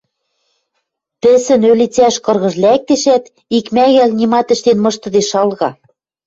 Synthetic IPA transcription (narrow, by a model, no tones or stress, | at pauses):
pɘ̆sɘ̆nølʲit͡sæʃkɤ̆rɣɤ̆ʒlæk̚t̪eʃæt̪ | ikmæɣælnʲimɑt̪ɘ̆ʃt̪enmɤ̆ʃt̪ɤ̆d̪eʃɑlɣɑ